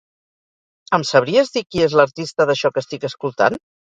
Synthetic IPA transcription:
əmsəβɾiəzðikiezləɾt̪ist̪əðəʃɔkəst̪ikəskulˠt̪a̰n

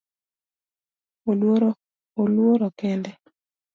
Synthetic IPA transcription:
olwoɾ | olwoɾɔkɛndɛ

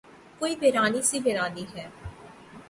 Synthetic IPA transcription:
koːiːbeɾaːniːsiːbeɾaːniːɦɛː

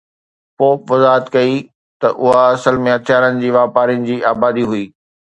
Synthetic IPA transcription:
poːpʋɐzaːɦət̪kɐi | t̪ɐʔʊɦaɐsəlmẽɦɐt̪ʰɪjaːɾənɪ̆d͡ʑiːʋaːpaːɾijənɪ̆d͡ʑiːaːbaːd̪iɦuiː

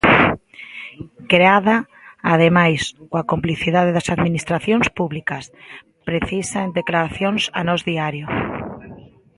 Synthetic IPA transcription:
kɾeaðaː | ð̞emajskoakompliθiðaðeðɐsaðminist̪ɾaθjoŋspuβlikɐs | pɾeθisaend̪eklaɾaθjoŋsanɔzðiaɾjʊ

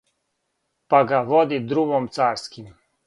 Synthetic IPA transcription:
paɡaʋɔd̪id̪ɾuɡɔmt̪saːɾskim

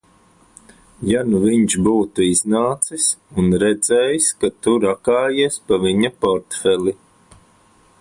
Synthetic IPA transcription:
januviɲʃbuːt̪uiznaːt̪sisunɾɛd̪zɛːjskat̪uɾakaːjiɛspaviɲapɔɾt̪fɛlˠi

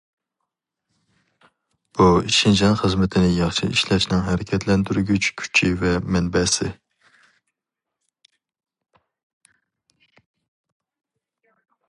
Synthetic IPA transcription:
b̥uiʃind͡ʒɑnχəzmɪt̪ʰɪnɪjɑχʃḭiʃlɛʃnɪŋɦɛɾɪkʲʰɛt̪ʰlɛnd̪yɾyɡʲyt͡ʃkʲʰy̥t͡ʃʰivɛmɛnbɛsɪ

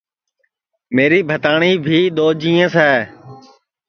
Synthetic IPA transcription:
meːɾiːbʱət̪aːɳiːbʱiːɗ̪oːd͡ʒĩːẽːsɛː

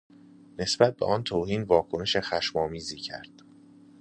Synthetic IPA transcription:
ne̞sb̥æt̪̚beʔɒːnt̪ʰoːhiːnvɒːkʰone̞ʃexæʃmɒːmiːziːcʰæ̰ɾd̪̥

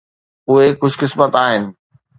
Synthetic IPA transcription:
ʊɦekʊd͡ʑʱkɪsmət̪aːɦɪnɪ̆

